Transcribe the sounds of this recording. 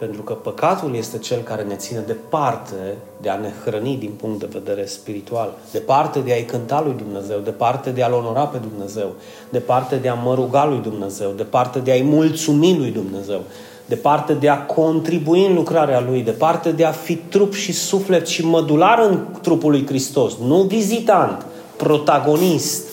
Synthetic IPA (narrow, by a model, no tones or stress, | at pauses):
pe̞nt̪ɾukəpəkat̪ulje̞st̪e̞t͡ʃe̞lkaɾe̞ne̞t̪sine̞d̪e̞part̪ʰe̞ | d̪e̞ane̞xɾənid̪inpuŋkt̪d̪e̞ve̞̰d̪e̞ɾe̞spiɾit̪ual | d̪e̞part̪e̞d̪eajkɨnt̪alujd̪umne̞ze̞wd̪e̞part̪e̞d̪e̞alo̞no̞ɾape̞d̪umne̞ze̞w | d̪̥e̞part̪e̞d̪eaməɾuɡalujd̪umne̞ze̞wd̪e̞part̪e̞d̪eajmult̪sumilujd̪umne̞ze̞w | d̪e̞part̪e̞d̪e̞akʰo̞nt̪ɾibuiɨnlukɾaɾealujd̪e̞part̪e̞d̪e̞afit̪ɾupʃisufle̞t̪ʃiməd̪ulaɾɨnt̪ɾupulujkɾist̪o̞snuvizit̪ant̪ | pɾo̞t̪aɡo̞nist̪